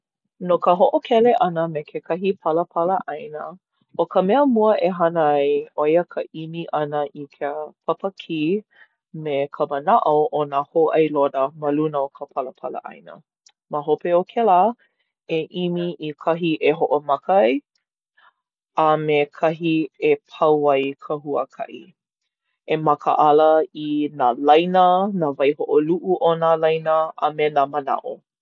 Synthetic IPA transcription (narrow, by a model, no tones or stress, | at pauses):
nokəɦoʔokʰɛleʔɐnəmekʰekʰɐɦipʰɐləpʰɐləʔajnə | ʔokʰəmɛəmuəʔeɦɐnəajojəkʰəʔimiʔɐnəʔikʰepʰɐpəkʰi | mekʰəmənaʔoʔonahoʔɐjlodəməlunəokʰəpʰɐləpʰɐlə̰ʔa̰jnə̰ | məɦopeokʰɛla | eʔimiʔikʰɐɦiʔeɦoʔomɐkɐj | amekʰɐɦiepʰɐwɐjkʰəɦuəkʰɐ̰ʔḭ | emɐkʰə̰ʔɐləinalɐjnənavɐjhoʔoluʔuʔonalajnəʔa̰menaməna̰ʔo̰